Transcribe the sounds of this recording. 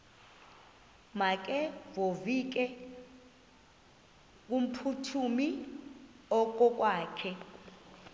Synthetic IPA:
mak̬ʼɛvovik̬ɛ | k̬ʼum̩pʰutʰumi | ɔk̬ʼɔk̬ʼwaːkʰɛ

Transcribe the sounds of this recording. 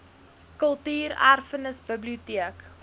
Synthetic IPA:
kəlˠtiːɾæ̰rfənəsbəbliutiək

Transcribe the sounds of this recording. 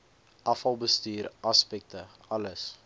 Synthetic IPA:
ʔɐfɐlˠbəstyːɾɐspɛk̚tə | ɐləs

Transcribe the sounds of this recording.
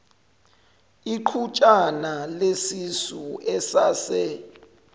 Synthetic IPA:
iǃʰut͡ʃʼanalesisuɛsaːsɛ

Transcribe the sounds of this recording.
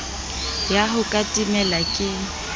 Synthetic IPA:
jaɦʊkʼatʼimɛlakʼɪ

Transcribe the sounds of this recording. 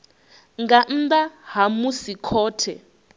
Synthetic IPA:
ŋɡan̩d̪aɦamusikʰɔːtʰɛ

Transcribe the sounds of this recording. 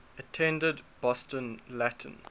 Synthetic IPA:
ətʰɛ̃ndədbɔstə̃nlætʰə̰̃n

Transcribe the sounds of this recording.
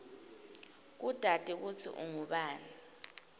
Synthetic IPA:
k̬ud̥ʱad̥ʱik̬utʰḭʔṵŋuɓaːni

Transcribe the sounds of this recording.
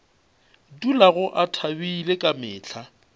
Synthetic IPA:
dulaɣʊʔatʰabiilekʼamɪːt͡ɬʰa

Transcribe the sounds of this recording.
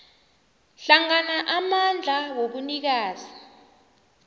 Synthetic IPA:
ɬaŋanaʔamand͡ɮʱawoɓunik̬aːzi

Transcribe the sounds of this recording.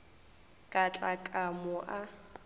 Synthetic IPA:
kʼat͡ɬʼakʼamʊʔa

